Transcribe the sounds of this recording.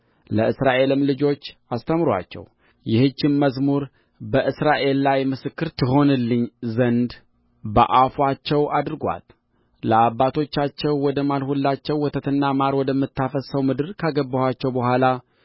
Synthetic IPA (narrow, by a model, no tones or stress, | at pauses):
ləɨsɾaʔe̞lɨmlɨd͡ʒo̞t͡ʃːast̪ʰəmɾa̰t͡ʃːɛ̰w | jɪhɨt͡ʃːɪnməzmuɾ | bəʔɨsɾaʔe̞lːajmɨsɨkːɨɾt̪ʰɨɦo̞nɨlːɨɲːzənd̪ | bə̰ʔafwat͡ʃːɛwʔad̪ɾɨɡʷa̰t̪ | ləabːat̪ʰo̞t͡ʃːat͡ʃːɛwːɔd̪əmalhulːat͡ʃːɛwːɔt̪ʰət̪ʰɨnːamaɾwɔd̪əmːɨt̪ːafəsəwmɨd̪ɨɾkʰaɡəbːəhat͡ʃːɛwbəhʷala